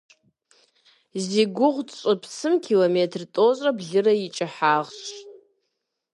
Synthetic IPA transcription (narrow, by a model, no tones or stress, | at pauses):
ziɡʷʊʁʷdt͡ʃʷʼapʰsɨmkʲʰilometʰrtʼozʼrabɮɨrait͡ʃʼaħaʁʃʷʼ